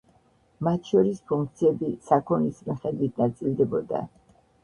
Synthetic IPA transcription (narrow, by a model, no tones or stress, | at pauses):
mat̪ʰʃɔɾispʰuŋkʰt̪sʰiɛbisakʰɔnismiχɛd̪wit̪̚ʰnat̪sʼilˠd̪ɛbɔd̪a̰